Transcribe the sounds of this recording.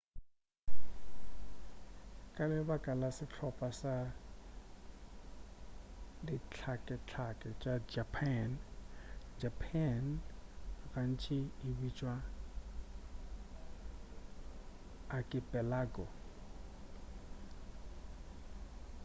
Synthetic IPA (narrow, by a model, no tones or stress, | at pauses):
kʼalɪbakʼalasɪt͡ɬʰɔpʼasa | dɪt͡ɬʰakʼɛt͡ɬʰakʼɛt͡ʃʼad͡ʒapʰan | d͡ʒapʰan | ran̩t͡ʃʰʼɪːbit͡ʃʼwa | akʼɪpʼɛlaɡɔ